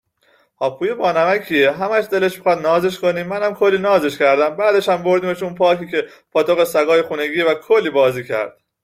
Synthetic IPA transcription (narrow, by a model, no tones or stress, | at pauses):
hɒːpʰuːjebɒːnæmæcʰieɦæmæʃd̪eleʃmixɒːd̪nɒːzeʃko̞niːmænæmkʰo̞lːiːnɒːze̞ʃcʰæɾd̪æmbæːd̪e̞ʃhæmbo̞ɾd̪iːme̞ʃunpʰɒːciːce̞ | pʰɒːt̪ʰoɣesæɡɒːjexuːne̞ɡiːvækʰolːiːbɒːziːcʰæ̰ɾd̪̥̚